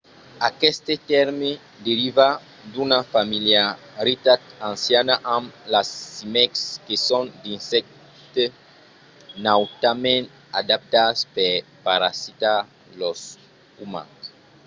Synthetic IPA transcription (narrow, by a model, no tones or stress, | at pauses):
akɛst̪et̪ɛɾme | d̪eɾiva | d̪unafamilja | ɾit̪at̪ãnsjanaʔãmlasːimɛkskesõnd̪ĩnsɛk̚ | t̪e | nawt̪amẽn | ad̪ap̚t̪aspeɾpaɾa̰sit̪a | los | umã̰s